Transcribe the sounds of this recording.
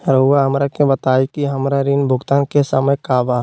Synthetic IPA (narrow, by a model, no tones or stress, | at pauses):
ɾoːɡaɦɐmɾakebət̪aːikiɦɐmɾaɾinbʱʊɡt̪aːnkesəməjkaːʋa